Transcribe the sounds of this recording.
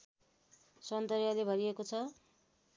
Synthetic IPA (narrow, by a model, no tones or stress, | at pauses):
sʌnd̪ʌɾjalebʱʌɾiekot͡sʰʌ